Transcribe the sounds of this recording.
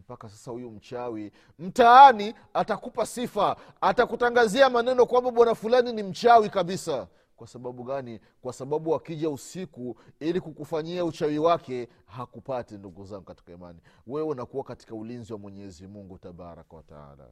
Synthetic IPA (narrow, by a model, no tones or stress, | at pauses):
m̩pakasasahujum̩t͡ʃawi | m̩taani | atakupasifaː | takutaŋɡaziamanɛnɔkwambaɓwanafulaninim̩t͡ʃawikaɓisa | kwasaɓaɓuɠani | kwasaɓaɓuwakiʄausikuilikukufaɲiaut͡ʃawiwakɛ | hakupatinduɡuzaŋɡukati̥kaima̰niwɛɛunakuwakati̥kaulinziwamwɛɲɛzimuŋɡutaɓa̰ɾa̰kawata̰a̰la̰